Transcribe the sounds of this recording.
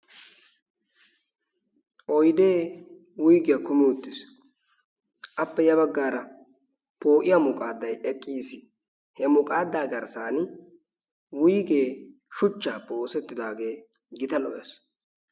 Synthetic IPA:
ʔɔjd̪e̞ː | wʊjɡɛjɐkʊmɪwʊt̪ːɪs | ʔɐpːɛjɐbɐɡːaːɾɐ | po̞ːʔɪjaːmʊkʼaːd̪ːɐjɛkʼːiːsɪ̥ | hɛmʊkʼaːd̪ːaːɡɐɾsaːn | wʊjɡe̞ː | ʃʊt͡ʃːaːpːɛoːsɛt̪ːɪd̪aːɡe̞ː | ɡɪt̪ɐlɔʔḛs

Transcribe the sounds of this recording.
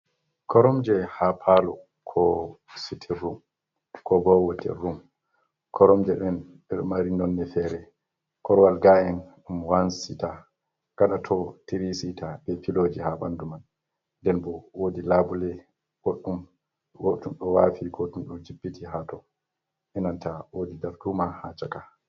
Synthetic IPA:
kʰɔɾɔmd͡ʒɛhapʰalɔ | kʰɔ | sitʰirːum | kɔbɔwotʰḭrum | kʰɔɾɔmd͡ʒɛɗɛn | ɓɛɗɔmaɾinɔnːɛfɛːɾɛ | kɔɾwalɡajɛnɗumwansita | ɡ̥aɗatʰɔtiɾisitʰabɛpilod͡ʒihaba̰nduman | dɛnbɔwodilaːbulɛ | woɗːum | wotumɗɔwafiɡotumɗɔd͡ʒibːitiɦatɔ | ʔɛnantawodidaɾdumahat͡ʃaka

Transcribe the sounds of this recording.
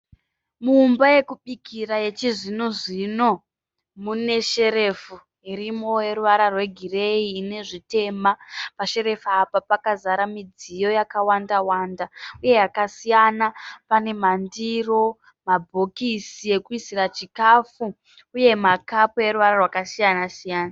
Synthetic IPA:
muːmbaje̞kuɓikiraje̞t͡ʃiʐinoʐino̞ | mune̞ʃe̞ɾe̞fu | iɾimo̞e̞ɾuʋaɾarwe̞ɡʱire̞iːne̞ʐite̞mapaʃe̞ɾe̞faːpapakazaɾamid͡zijo̞jakawandawaːndauje̞jakasijanapane̞mandiro̞ | mabʱo̞kisije̞kuisirat͡ʃikafuː | je̞makapoe̞ɾuʋaɾarwakasijanasijaːna

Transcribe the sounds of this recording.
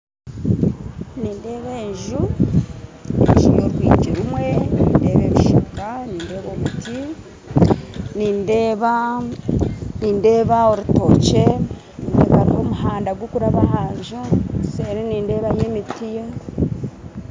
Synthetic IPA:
niːnde̞ːβeːɲʒu | nḛʒujoɾwwḭːceɾumwe̞niːnde̞ːβeβuʃokaniːnde̞ːβoβiti | niːndeːβa | niːnde̞ːβaoɾuto̞t͡ʃe̞ | nideβaɾiomuhaːndaɡwokuɾaβahaːɲʒuseɾeniːnde̞ːβajemitija

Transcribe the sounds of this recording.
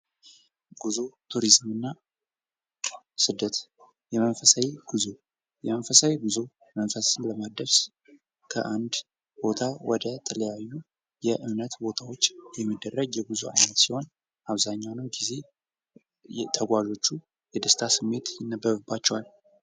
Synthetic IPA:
ɡ̥uzot̪ʰuɾizmɨnːa | sɨd̪ːət̪ | jɛmənfəsawiɡ̥uzo | jɛmənfəsawiɡuzo | mənfəsɨmləmad̪əɾs | kʰə̰ʔand̪ | b̥o̞t̪ʰawɔd̪ət̪ʰələjajːu | jɛʔɨmnət̪bo̞t̪ʰawo̞t͡ʃːjɛmːid̪ːərːəɡjɛɡuzoʔa̰jnət̪siho̞n | ʔaβzaɲːawnəwɡize̞ | t̪ʰəɡʷaʒo̞t͡ʃːu | jɛd̪əst̪ʰasɨmːe̞t̪jɪnːəbːəβɨbːat͡ʃːɛwal

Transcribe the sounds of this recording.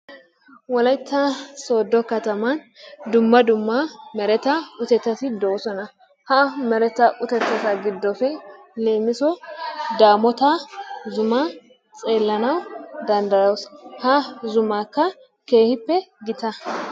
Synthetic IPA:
wɔlɐjt̪ːɐso̞ːd̪ːɔkɐt̪ɐmɐn | d̪ʊmːɐd̪ʊmːɐmɛɾɛt̪ɐʊt̪ɛt̪ːɐsɪd̪oːsɔnɐ | hɐmɛɾɛt̪ɐʔʊt̪ɛt̪ːɐsɐɡɪd̪ːɔfɛ | le̞ːmɪsɔd̪aːmɔt̪azʊmɐ | t͡sʼe̞ːlːɐnɐwd̪ɐnd̪ɐɾɐwshɐzʊmakːɐ | ke̞ːhɪpːɛɡɪt̪ɐ

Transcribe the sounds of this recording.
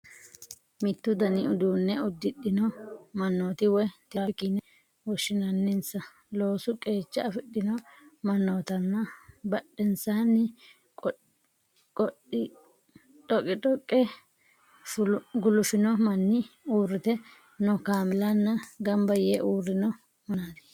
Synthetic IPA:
mɪt̪ːʊd̪ɐnɪʊd̪uːnːɛʊd̪ːɪɗːɪnɔmɐnːoːt̪ɪwɛt̪ɪakiːnɛ | wɔʃːɪnɐnːɪnsɐ | lo̞ːsʊkʼe̞ːt͡ʃːɐɐfɪɗːɪnɔmɐnːoːt̪ɐnːɐbɐɗːɛnsaːnːɪ | kʼɔ | kʼɔɗɪ | tɔkʼːɪtʼɔkʼːɛ | fʊɡʊlʊfɪnɔmɐnːɪuːrːɪt̪ɛ | nɔkaːmɪlɐnːɐɡɐmbɐjeʔuːrːɪnɔ | mɐnad̪ɛ̥

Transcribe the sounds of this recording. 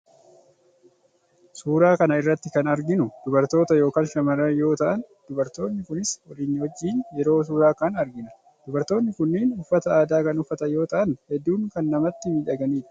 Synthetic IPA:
suːɾaːkɐnɐɪrːɐt̪ːɪkɐnɐɾɡɪnʊd̪̥ʊbɐɾt̪o̞ːt̪ɐjo̞ːkaːnʃɐmɐɾɐjo̞ːt̪ɐʔɐnd̪̥ʊbɐɾt̪o̞ːnːɪkʊnɪswɐliːnːwɔd͡ʒːiːnjɛɾo̞ːs̬uːɾaːkɐnɐɾɡɪnɐ | d̪̥ʊbɐɾt̪oːnːɪkʊnːiːnʊfːɐt̪ɐaːd̪aːkɐnʊfːɐt̪ɐjo̞ːt̪ɐʔɐnhɛd̪ːuːŋkɐnːɐmɐt̪ːɪmiːᶑɐɡɐniːᶑɐ̥

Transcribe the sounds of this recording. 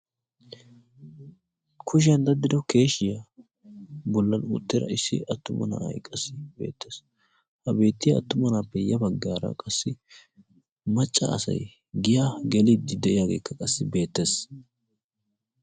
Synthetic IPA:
kʰʊʃ̬ɪɐnd̪ɐd̪ːɪd̪ɔke̞ːʃɪjɐ | bɔlːɐnʊ̰t̪ːɪɾɐ̰ɪsːɪ̰ʔɐt̪ːʊmɐ̰na̰ːɐ̰jkʼːɐsɪbe̞̰ːt̪ːes | hɐbe̞ːt̪ːɪjɐɐ̰t̪ːʊmɐnaːpːɛjɐbɐɡːaːɾɐ̰kʼɐsːɪ | mɐt͡ʃʼːɐ̰ɐ̰sɐ̰j | ɡɪjaːɡɛlid̪ːɪd̪ɛʔɪjaːɡe̞̰ːkːɐkʼɐsːɪbe̞ːt̪ːes

